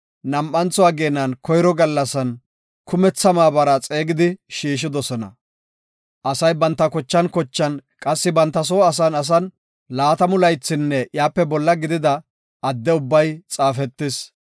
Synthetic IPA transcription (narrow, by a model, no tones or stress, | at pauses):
nɐmʔɐnt͡sɔaːɡe̞ːnːɐnkɔjɾɔɡɐlːɐsɐn | kʊmɛt͡sːɐmaːbɐɾat͡sʼe̞ːɡɪd̪ɪʃiːʃ̬ɪd̪ɔsɔnɐ̰ | ʔɐsɐjbɐnt̪ːɐkɔt͡ʃːɐnkɔt͡ʃːɐnkʼɐsːɪbɐnt̪ːɐs̬oːɐs̬ɐnɐs̬ɐn | laːt̪ɐmʊlɐjt͡sːɪnːɛjaːpːɛbɔlːɐɡɪd̪ɪd̪ɐ | ɐd̪ːɛʊbːɐjt͡sʼaːfɛt̪ːɪs